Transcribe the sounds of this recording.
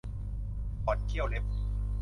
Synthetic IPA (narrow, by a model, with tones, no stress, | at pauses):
pɔ˨˩t̪̚k̪ʰi˥˩əwle˦˥p̚